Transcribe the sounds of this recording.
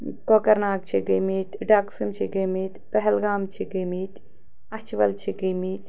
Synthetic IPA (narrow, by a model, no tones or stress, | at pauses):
koːkɐɾnaːk̚t͡ʃʰiɡimiːt̪ɖaːksumt͡ʃʰiɡɐmiːt̪pɐɦɛlɡaːmt͡ʃʰiɡəmiːt̪ | ɐt͡ʃʰʋɐ̰lt͡ʃʰiɡimiːt̪